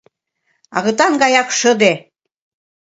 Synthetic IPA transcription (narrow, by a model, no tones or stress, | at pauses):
ɑ̰ɣɤ̆t̪ɑnɡɑjɑkʃɤ̆d̪e